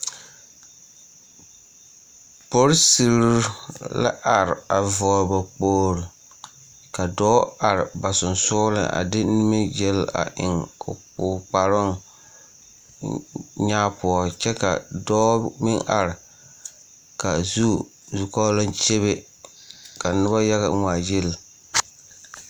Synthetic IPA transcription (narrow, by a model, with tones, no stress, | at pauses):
po˦ɾsi˨ɾla̰˦ʔa˨ɾɪ˨a˨vɔː˨ba˨k͡poː˦˨ɾi˨ | ka˨dɔː˦a˨ɾɪ˨ba˨sʊ˨nsʊː˦lɨ̰˨ʔa̰˨dɪ˦ni˦me˦je˦la̰˨ʔɪ̰˨ŋʊ̰˨k͡pʊː˨k͡pa˨ɾʊ˦ŋ | ɲaː˦pʊ˨ɔ˨t͡ʃɛ˦ka̰˨dɔː˦mɪ˦ŋʔa˨ɾɪ˨ | ka˨zu˦ | zu˨kɔ˦la˦nt͡ʃe˦βe˦ | ka˨nʊ˦ba˦ja˦ɣa̰˨˦ŋʷaː˨je˦l